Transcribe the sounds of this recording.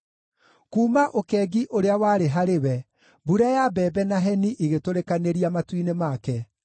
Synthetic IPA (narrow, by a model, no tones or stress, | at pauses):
kuːmaʔokɛːɡiʔoɾeawaːɾeɦaɾewɛ | buɾajabɛːbɛnaɦɛniʔiɣetoɾekaneɾiamatwinemakɛ